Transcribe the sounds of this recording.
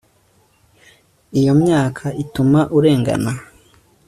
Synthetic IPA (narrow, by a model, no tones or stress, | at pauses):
ijo̞mɲaːkʰaitumaʔuɾe̞ːŋɡa̰na